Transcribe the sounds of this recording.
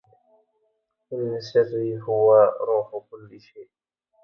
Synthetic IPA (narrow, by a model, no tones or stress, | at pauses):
ʔɪnːasaziːhʊwaɾuːħʊkʊlːʃeːʔ